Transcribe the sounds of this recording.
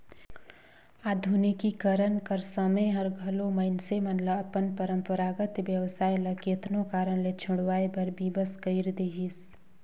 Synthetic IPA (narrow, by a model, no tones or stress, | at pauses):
aːd̪ʱunikikəɾənkəɾsəməjɦɐɾɡʱɐlomɐɪnsemɐnləɐpənpəɾə̃mpəɾaːɡət̪ʋjɐʋsaːjlɐkːt̪nõkaːɾəɽlet͡ʃʰʊɽʋaːebɐɾbʱibəskəɪɾd̪eːɦis